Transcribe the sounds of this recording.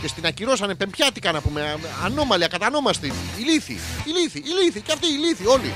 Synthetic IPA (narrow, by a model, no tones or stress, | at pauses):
ce̞st̪inɐciɾo̞sɐnepe̞mpçɐt̪ikɐnɐpume̞ɐno̞mɐliɐkɐt̪ɐno̞mɐst̪iiliθḭiliθiʔːliθiceɐft̪iːliθio̞lḭ